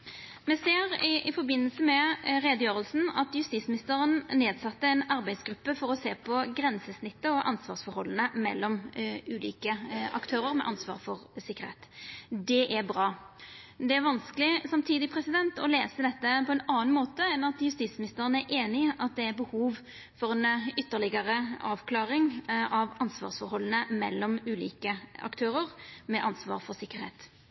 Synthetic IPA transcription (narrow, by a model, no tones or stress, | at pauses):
mɛseːɾɪʔɪfɔɾbɪnːəlsəmɛɾeːd̪əjøːʁəlsn̩ɑt̪jʉst̪iːt̪smɪnɪst̪əɾənneːd̪sɑt̪ːəɛnɑɾbæɪd̪sɡɾʉpːəfɔɾɔseːpʰɔɡɾɛnsəsnɪt̪ːəɔʔɑ̰nsʋɑ̰ːɾsfɔɾhɔlːənəmɛ̰lːɔmʉːlḭːkəɑ̰kt̪ʰøːɾəɾmɛ̰ʔɑnsʋɑ̰ːɾfɔʁsɪkːəɾḛt̪d̪ɛʔæɾbɾɑː | d̪ɛæɾʋɑnskəlɪsɑmt̪ʰiːd̪ɪpʰɾɛsɪd̪ɛnt̪ɔleːsəd̪ɛt̪ːəpɔɛnɑːnmoːt̪əɛnɑt̪jʉst̪iːt̪smɪnɪst̪əʁənəæɾʔeːnɪʔɑt̪̚d̪ɛæɾbəhuːʋ | fɔʁɛnʏt̪ːəʁlɪɡəɾəɑːʋkʰlɑːɾɪŋʔɑʋɑnsʋɑ̰ːʁsfɔɾhɔlːnəmɛ̰lːɔmʉːlḭːkəɑ̰kt̪ʰøːɾəʁmɛʔɑnsʋɑ̰ːɾfɔɾsɪkːəɾhḛːt̪